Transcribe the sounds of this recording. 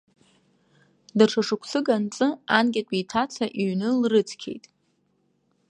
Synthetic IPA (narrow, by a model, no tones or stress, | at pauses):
daʈ͡ʂʰaʂɨkʷʰsɨɡant͡sʼɨanɡʲakʷʼitʰat͡sʰaʔiɥnɨlrɨt͡sʰkʲʰe̞̰jtʼ